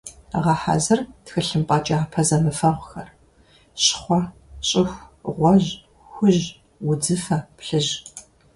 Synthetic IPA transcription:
ʁɐħa̰zɨrtxɨɬɨmpʼɑt͡ʃʼaːpʰɐzɐmɨfɐʁʷxɐr | ɕχʷɔɕʼɪxʷʁʷɔʑ | xʷʊʑ | wʊd͡zɨfɐpɬɨʒ

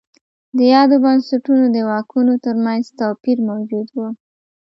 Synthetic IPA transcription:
d̪əjɑd̪obɑnsaʈunod̪əwɑkʰunot̪əɾmanzt̪ɑpiɾmawd͡ʒud̪wu

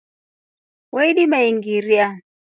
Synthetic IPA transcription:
wɛiɗimaiŋɡiɾia

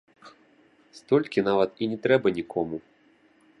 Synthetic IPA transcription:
st̪ɔlʲkʲin̪avɐt̪inʲɛt̪ɾɛbɐnʲikʰɔmu

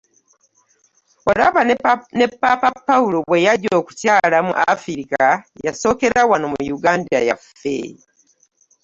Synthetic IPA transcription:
olaβane̞pːapapːaulo̞βwejaɟo̞ːkucaːlamṵʔafiɾikajaso̞ːke̞ɾawanomuujuɡaːndaja̰fḛ

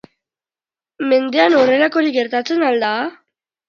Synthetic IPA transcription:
me̞nd̪e̞ano̞re̞lako̞ɾiɡe̞ɾt̪at͡se̞nald̪a

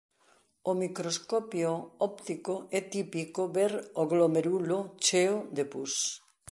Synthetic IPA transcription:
omikɾoskɔpjoɔpt̪ikoɛt̪ipikoβeɾoɣlomeɾulot͡ʃeod̪epus

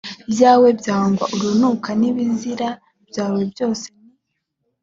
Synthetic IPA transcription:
bjaːwe̞bjaːaːŋɡwaʔuɾunukʰaniβiziɾa | b̥jaːwe̞bjo̞ːse̥

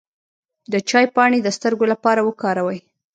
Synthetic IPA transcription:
d̪ət͡ʃɑjpɑɽed̪əst̪əɾɡolapɑɾawəkɑɾawəj

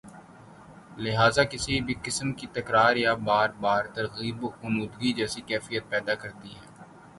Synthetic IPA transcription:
lɪɦaːzaːkɪsibʱikɪsəmkit̪ɐkɾaːɾjaːbaːɾbaːɾt̪ɐɾɣiːbkʊnuːd̪ɡid͡ʒɛːsikɛːfijət̪̚pɛːd̪akɐɾt̪iɦɛː

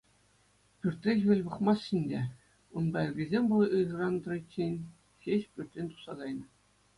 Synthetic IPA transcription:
pʲyrʲt̪ʲɾʲekʲʋʲɘ̆lʲbɤ̆χmɑsɕinʲdʲe | unb̪ɑĭɡʲizʲemʲbulˠʔɯʐɤ̆rɑnd̪ɤ̆rɤ̆t͡ɕːenʲ | xʲeɕpʲyrʲtʲenʲt̪u̥χsɑɡɑjnɤ̆

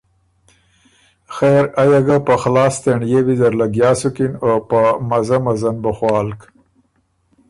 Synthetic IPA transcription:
xeɾajaɡapəxlɑːst̪eɳjewid̪aɾlaɡjɑːsukinopəmazamazanbəxwɑːlk

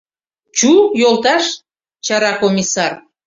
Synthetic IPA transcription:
t͡ɕujolˠt̪ɑʃ | t͡ɕɑɾɑkomʲisɑr

